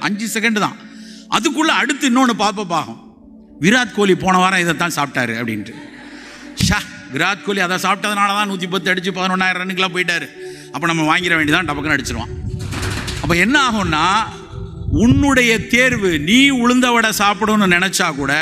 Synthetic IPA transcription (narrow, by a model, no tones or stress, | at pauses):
ʔɐ̰ɲd͡ʒɯsɛkɐɳɖt̪ã̰ːʔɐ̰ðɯkːɯɭːɐɐɽɯt̪ːɯɪnːoːnːɯpaːɾp̬ɐp̬ːaːɣʊ̰̃ | ʋɪɾaːt̪koːlipoːɳɐʋaːɾãɪðɐt̪ːãːsaːp̚ʈaːɾɯɐpːɐɽɪ̰ndɾɯ | ʃaʋɪɾaːt̪koːliɐðɐ̃saːp̚ʈːɐðɐnaːlɐt̪ãːnuːt̪̬ːip̬ɐt̪ːɯɐɽɯt͡ʃːɯpɐðɐnɔnːaːjɐɾɐɾɐnːɯk̬ːɪlãːp̬oːjɪʈ̬ːaːɾɯ | ɐpːoːnɐmːɐʋaːŋɡɪɾɐʋeːɳɖit̪ãːɖɐpːɐkːɐnɐɽɯt͡ʃːɯɾɯʋã̰ː | ɐpːɐːɛnːɐaːɣʊ̃nːaː | ʊnːɯɽɐjɐt̪eːɾʋɯniːʊɻɯnd̪ɐʋɐɽɐsaːpɯɽɯnːɯnɪnɛt͡ʃːaːkuːɽɐ